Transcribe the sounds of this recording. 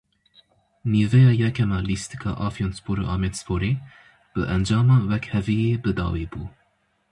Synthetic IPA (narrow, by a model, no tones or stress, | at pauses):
niːvɛjɑːjɛkʰɛmɑːlist̪i̥kʰɑ̰ːʔɑfijonspʰoːɾoʔɑːmet̪spoːɾeː | b̥ɨʔɛnd͡ʒɑːmɑːwɛkhɛvijeːbɨd̪ɑ̰ːwiːbuː